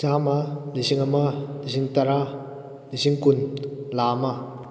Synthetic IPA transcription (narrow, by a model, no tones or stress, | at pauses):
t͡ʃamaliɕiŋamaliɕiŋt̪aɾa | liɕiŋkunlama